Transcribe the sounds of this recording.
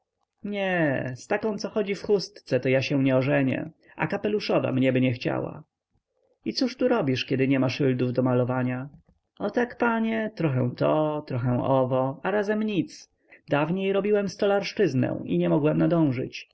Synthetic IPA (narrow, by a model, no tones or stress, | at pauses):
ɲɛst̪akɔ̃w̃t̪sɔxɔd͡ʑifxust̪t̪sɛt̪ɔjaɕɛw̃ɲɛɔʐɛɲɛ̰ | ʔa̰kapɛluʂɔva̰mɲɛbɘɲɛxt͡ɕa̰wa̰ | it̪suʂt̪uɾɔbʲiʂkʲɛd̪ɘɲɛmaʂɘld̪uvd̪ɔmalɔvaɲa | ɔt̪akpaɲɛt̪ɾɔxɛ̃w̃t̪ɔt̪ɾɔxɛ̃w̃ɔvɔaɾazɛmɲit̪s | d̪avɲejɾɔbʲiwɛmst̪ɔlaɾʂt͡ʂɘznɛ̰w̃ḭɲɛmɔɡwɛmnad̪ɔ̃w̃ʐɘ̰t͡ɕ